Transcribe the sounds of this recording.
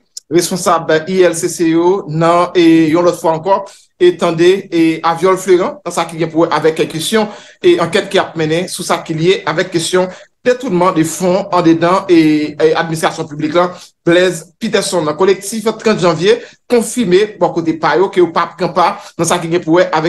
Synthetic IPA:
ʁespɔ̃sabiɛlsesejonɐ̃ejɔ̃lɔt̪fwaɑ̃kɔ | et̪ɑ̃d̪eavjɔlfløʁɑ̃nãsakiɡɛ̃puwɛʔavɛkːɛkːest̪jɔ̃ | eɑ̃kɛt̪̚kiap̚mɛ̃nẽsusakilijeʔavɛkːest̪jɔ̃d̪et̪unmɑ̃d̪efɔ̃ɑ̃d̪edɑ̃ea̰d̪̚minist̪ʁasjɔ̃pybliklãblɛzpit̪ɛsɔ̃nlɐ̃kolek̚t̪ift̪ʁɑ̃t̪ʒɑ̃vje | kɔ̃fiʁmebɔ̃kot̪̬epajokejopap̚kãpanãsakiɡɛ̃puwɛʔavɛ

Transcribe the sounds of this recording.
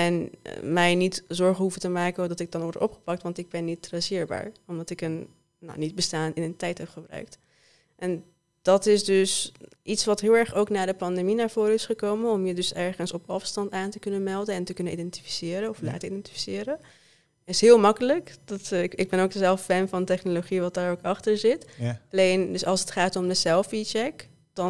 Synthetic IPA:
ɛn̰mɛjnitzɔɹχəɦufətəmaːkəndɑtɪɡ̚dɑnʋɔɹtɔ̰pχə̥pɑk̚tʋɑntɪɡ̚bɛnːitrasɪːɹba̰ːɹɔmdɑtɪkən | na̰wnid̚bəstaːnɪnəntɛjtɦɛpχəbrœ̰ɥk̚t | ʔɛn | d̥ɑtɪsdøs | ʔitsʋɑtɦɪːlˠɛɹχowknaːdəpɑndeminaːɹv̥ʊːɾɪsχəkowmənɔmjədɵsɛɹχənsɔpɑfstɑntaːntəkɵnənmɛlˠdəɛntəkɵnənʔidɛnti̥fi̥sɪːɾənɔfla̰ːtəidɛnti̥fi̥sɪːɾə | ɪsɦɪːlˠmɑkələkdɑtɪɡ̚bɛnowkəzɛlˠffɛnvɑntɛχnoloχiʋɑt̚daːɹowkɑχtəɹzɪtɑlejndəsɑlˠsətχaːtɔmdəzɛlˠfit͡ʃɛk | d̥ɑ

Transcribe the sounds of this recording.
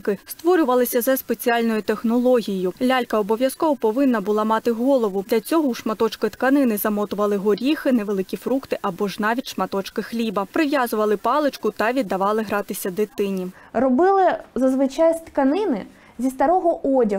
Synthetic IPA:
kɪst̪ʋɔɾʲʊʋɐlˠɪsʲɐzɐspet͡sʲialʲnɔjʊt̪exnɔlˠɔɦʲijʊlʲalʲkɐɔbɔʋʲjɐskɔʋɔpɔʋɪnːɐbʊlˠɑmɑt̪ɪɦɔlˠɔʋʊd̪lʲɐt͡sʲɔɦɔwʃmɐt̪ɔt͡ʃkɪt̪kɐnɪnɪzɐmɔt̪ʊʋɐlˠɪɦɔɾʲixɪnɛʋe̞lˠɪkʲifɾukt̪ɪʔɐbɔʒnɑʋʲitʲʃmɐt̪ɔt͡ʃkɪxlʲibɐpɾɪʋʲjazʊʋɐlˠɪpɑlˠɪt͡ʃkʊt̪ɐʋʲid̪ːɐʋɑlˠɪɦɾɑt̪ɪsʲɐd̪ɪt̪ɪnʲi | ɾɔbɪlˠɪzɐzʋɪt͡ʃajst̪kɐnɪnɪ̰ | zʲist̪ɐɾɔɦɔʔɔdʲɐ

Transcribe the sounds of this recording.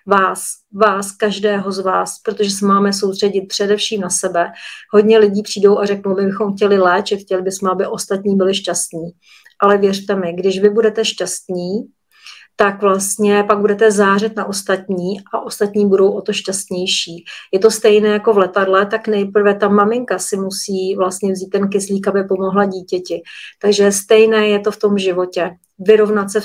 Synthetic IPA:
vaːs | vaːskaʒdɛːɦo̞zvaːspɾot̪o̞ʒɛsɛmaːmɛs̬owst̪r̥ɛɟɪt̪̚pr̥ɛdɛfʃiːmnasɛbɛɦo̞dɲɛlɪɟiːpr̝̥iːdo̞wʔarɛknowmɪbɪxomxcɛlɪlɛːt͡ʃɪt̪xcɛlɪbɪsmɛabɪʔo̞st̪at̪ɲiːbɪlɪʃcast̪ɲiː | ʔalɛvjɛr̝t̪ɛmɪɡdɪʃvɪbudɛt̪ɛʃcast̪ɲiː | t̪akvlast̪ɲɛpaɡ̚budɛt̪ɛzaːr̝ɛt̪naʔo̞st̪at̪ɲiːʔaʔo̞st̪at̪ɲiːbudo̞wʔot̪o̞ʃcast̪ɲɛjʃiːjɛt̪o̞st̪ɛjnɛːjako̞vlɛt̪adlɛt̪aknɛjpr̩vɛt̪amamɪŋkasɪmusiːvlast̪ɲɛvziːt̪ːɛnkɪsliːkabɪpomo̞ɦlaɟiːcɛcɪt̪aɡʒɛst̪ɛjnɛːjɛt̪o̞ft̪o̞mʒɪvo̞cɛ | vɪɾo̞vnat̪sɛ

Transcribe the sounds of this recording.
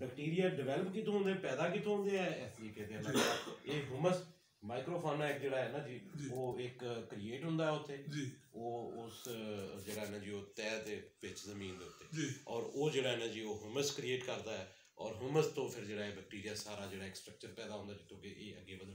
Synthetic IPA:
bɛkʈiːɾɪjaːɖɪʋɛːləpkit̪õːɦʊ̃nd̪eɛːpɛːd̪aːk̬it̪õɦõnd̪eːɛːɛːsekɛːd̪ealaɡaeːɦʊməs | maːikɾoːpʰoːnaːɪk̚d͡ʒeːɽaːɦɛːnãːd͡ʒiːd͡ʒoːɪkkːɾieːʈɦʊ̃nd̪aːɦɛːʊt̪ʰːeːd͡ʒioːʊsd͡ʒeːɽaːɦɛːnãːd͡ʒiːoːt̪ɛːd̪eːʋɪt͡ʃzəmiːnd̪eːʊt̪ːeːd͡ʒiɔːɾoːd͡ʒeːɽaːɦɛːnãːd͡ʒiːoːɦʊməskɾieːʈkəɾd̪aːɛː | ɔːɾɦʊməst̪õːpʰɪɾd͡ʒeːɽaːeːbɛk̚ʈiːɾɪjaːsaːɾaːd͡ʒeːɽaːɪksʈɾək̚t͡ʃəɾpɛːd̪aːɦʊ̃nd̪aːd͡ʒɪt̪ʰːõːkeʔeːə̰ɡːeːbəd̪ə

